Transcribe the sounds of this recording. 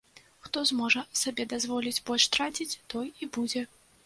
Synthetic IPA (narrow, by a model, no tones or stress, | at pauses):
xt̪ɔzmɔʐɐsabʲɛd̪azvɔlʲid͡zʲbɔlʲʂt̪ɾat͡sʲit͡sʲt̪ɔjibud͡zʲɛ